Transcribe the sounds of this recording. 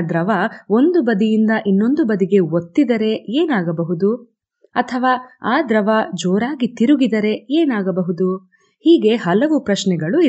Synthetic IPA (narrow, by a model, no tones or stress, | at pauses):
d̪ɾɐʋao̞nd̪ubɐd̪ijind̪ɐʔinːo̞nd̪ubɐd̪iɡe̞ot̪ːid̪ɐɾe̞eːnaːɡɐbɐɦud̪u | ɐt̪ʰɐʋaːaːd̪ɾɐʋad͡ʒoːɾaːɡit̪iɾuɡid̪ɐɾe̞eːnaːɡɐbɐɦud̪u | hiːɡe̞ɦɐlɐʋupɾɐʃnɛɡɐɭu